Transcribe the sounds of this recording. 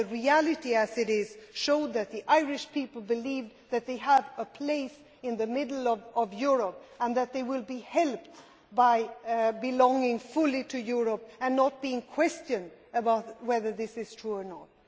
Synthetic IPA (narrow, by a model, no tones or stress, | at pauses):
ɨɹiælˠɨɾiɨzɨɾɪz̥ʃoʊd̪̚ðɨt̪̚ðiʔaɪɹɪʃpʰipl̩ˠbɨliv | ðɨt̪̚ðeɪəvəpʰl̥eɪs | ɪ̃nðɨmɪdl̩ˠʌvʌvjʊɹəpə̃nðɨt̪̚ðeɪwɪlˠbihɛlˠp̚t | baɪbɨlɔ̃ŋɪ̃ŋfʊlˠiɾɨjʊɹəpɨ̃nːət̚b̥iɪ̃ŋkʰw̥ɛst͡ʃɨ̃ndəbaʊt̚wɛðə˞ðɪsɨz̥tʰɹ̥uə˞nət̚